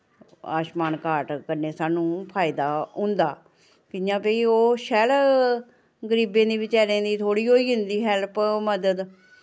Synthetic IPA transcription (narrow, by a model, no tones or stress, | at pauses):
a̰ːʃmaːnkaːʈkəɾneːsaːnũːpʰaːɪd̪aːɦʊ̃nd̪aː | kɪãːpeːiːoːʃɛːl | ɡəɾiːbẽːd̪iːʋɪt͡ʃaːɾẽːd̪iːt̪ʰoːɽiːɦoːiːɦʊ̃nd̪iːɦɛlpməd̪əd̪